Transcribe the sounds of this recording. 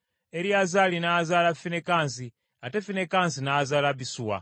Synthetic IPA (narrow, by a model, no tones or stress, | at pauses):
ɛɾiazalinaːzalafinɛkans̬i | atɛfinɛkansinaːzalabisuːwa̰